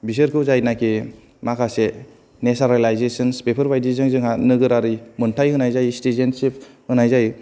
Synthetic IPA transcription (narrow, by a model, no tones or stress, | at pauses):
bisɯɾkʰɯwzajnakʰi | makʰase | nesaɾalajzesɯnspepʰɯɾbajdizɯŋzɯŋanɯɡɯɾaɾɯjmɯntʰajhɯnajzajstezensip̚hɯnajzaj